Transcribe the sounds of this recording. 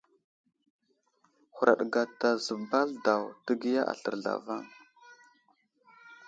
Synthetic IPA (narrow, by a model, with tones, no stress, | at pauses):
hu˨ɾa̰˨ɗɡa˨ta˨zə˨ba˦lda˨wtə˦ɡi˦ja˦ʔa̰˨ɬə̰˨ɾɮa̰˨va˦ŋ